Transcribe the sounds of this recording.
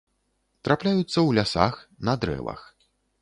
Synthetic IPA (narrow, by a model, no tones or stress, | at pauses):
t̪ɾaplʲajut̪sːɐwlʲasa̰xnɐd̪ɾɛ̰vɐ̰x